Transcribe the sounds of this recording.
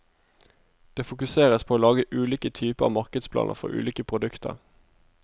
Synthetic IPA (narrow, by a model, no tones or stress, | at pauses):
d̪̥eːfʊkʉseːʁəspʰoːoːlɑːɡəʔʉːliːkət̪ʰyːpəɑ̰ʋmɑʁkəd̪spʰlɑ̰ːnʔə̰ʁfɔ̰ʁʉ̰ːliːkəpʰʁʊd̪ʉkt̪ʰə̰ʁ